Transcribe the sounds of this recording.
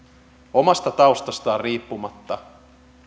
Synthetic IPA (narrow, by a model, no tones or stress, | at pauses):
omɑst̪ɑt̪ɑust̪ɑst̪ɑːrriːpːumɑt̪ːɑ